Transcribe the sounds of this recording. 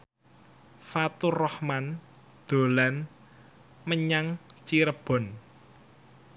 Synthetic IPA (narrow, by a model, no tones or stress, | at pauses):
fat̪urɔhman | d̪̥o̤lan | məɲaŋt͡ʃiɾəb̥ɔ̤n